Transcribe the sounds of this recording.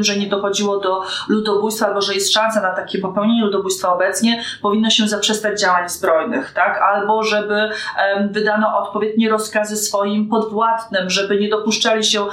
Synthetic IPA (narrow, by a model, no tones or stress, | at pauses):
mʐɛɲɛd̪ɔxɔd͡ʑiwɔd̪ɔlud̪ɔbujst̪faalbɔʐɛjɛst̪ʂansanat̪akʲɛpɔpɛwɲeɲɛlud̪ɔbujst̪faɔbɛt̪sɲɛpɔvʲinːɔɕɛzapʂɛst̪ad͡ʑd͡ʑawaɲzbɾɔjnɘxt̪akalbɔʐɛbɘvɘd̪anɔʔɔt̪pɔvʲjed̪̚ɲɛɾɔskazɘsfɔjimpɔd̪vwat̪nɘmʐɛbɘɲɛd̪ɔpuʂt͡ʂalʲiɕɛ